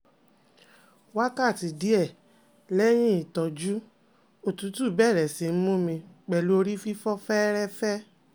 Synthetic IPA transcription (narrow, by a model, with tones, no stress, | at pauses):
wa˦ka˦˨ti˧di˨˦ɛ˦˨ | lɛ˦j̃ĩ˦i˨tɔ˨d͡ʒu˦ | o˨tũ˨˦tu˦˨bɛ˦˨ɾɛ˨si˧n̩˦mũ˦mĩ˧k͡pɛ˨lu˦o˧ɾi˦fi˦fɔ˦fɛ˦ɾɛ˦fɛ˦